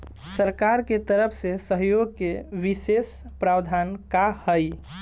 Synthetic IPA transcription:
səɾkaɾket̪əɾəpʰsesəɦjoɡ̚keʋisespɾawd̪ʱankahəj

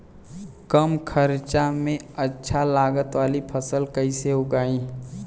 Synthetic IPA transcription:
kəmkʰəɾt͡ʃamẽətːʃʰalaːɡət̪waːlipʰəsəlkəiseɦʊɡaːĩː

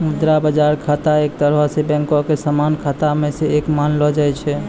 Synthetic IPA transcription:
mud̪ɾabəd͡ʒaɾkʰat̪aek̚t̪əɾəsebɛ̃ŋkokesamankʰat̪amẽsẽekmanlɔd͡ʒajt͡ʃʰɛ

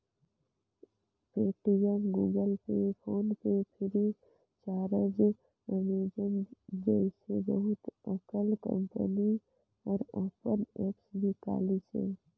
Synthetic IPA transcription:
peːʈijənɡuːɡəlpepʰoːnpepʰɪɾi | t͡ʃaːɾəd͡ʒ | əmiːd͡ʒənd͡ʒəɪsebəɦʊt̪əkəlkə̰̃mpə̰ni | ɔːɾoːpənɛːpsbʱika̰ːlisḛ

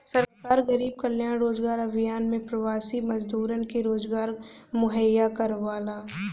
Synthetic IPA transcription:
sɐɾkaːɾɡɐɾiːb̚kɐljãːnɾoːd͡ʒɡaːɾɐbʱɪjaːnmẽpɾɐwaːsimɐzd̪uːɾənkeɾoːd͡ʒɡaːɾ | mʊɦəjːakɐɾʋaːlaː

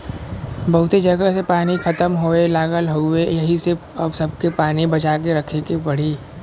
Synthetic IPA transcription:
bɐɦʊt̪ed͡ʒɐɡəsepaːnixɐt̪əmɦoelaːɡəlɦoejɐɦiseɐbsɐb̚kepaːnibɐt͡ʃaːk̬eɾɐkʰekepɐɽ̤iː

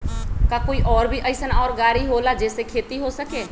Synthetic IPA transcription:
kãːkoːiːʔɔːɾbʱiːʔəɪsənaɔːɾɡaːɾiːɦoːlaːd͡ʒeːseːkʰeːt̪iːɦoːsəkeː

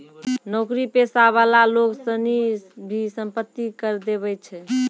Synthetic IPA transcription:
nɔkɾipesaβalaloksənibʱisəmpət̪ːikəɾd̪eβɛt͡ʃʰɛ

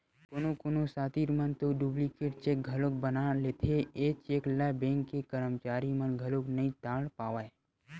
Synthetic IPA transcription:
konokonosaːt̪iɾmənt̪oɖublikeʈt͡ʃek̚ɡʱəlok̚bənalet̪ʰeet͡ʃeːklabẽŋkːekəɾəmt͡ʃaːɾimənɡʱəloknəɦĩt̪ãːɽpaːʋae

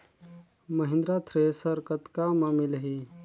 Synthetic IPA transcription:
məɦɪ̃nd̪ɾat̪ʰɾesəɾkət̪kamamilɦi

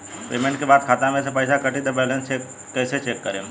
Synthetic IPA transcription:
peːmẽɳʈkebaːd̪̚kʰaːt̪ãmẽsepəjsakəʈid̪ebɛːlẽnt͡ʃeːkː | ɛːset͡ʃeːkːəɾeː

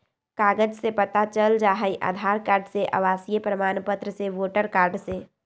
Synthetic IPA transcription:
kaːɡəd͡ʒsepət̪at͡ʃəld͡ʒaːɦəiʔa̰ːd̪ʱaːɾkaːɾɖseʔa̰ʋaːsijəpɾəmaːnpət̪ɾəseʋoːʈəɾkaːɾɖse

